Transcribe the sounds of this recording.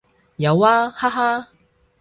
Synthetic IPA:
jɐ˨˧waː˦haː˥ɦaː˥

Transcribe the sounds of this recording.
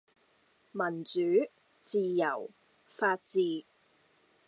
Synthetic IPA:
mɐ˨˩nt͡syː˨˥ | t͡siː˨˧jɐ˨˩w | faː˧t̚t͡siː˧

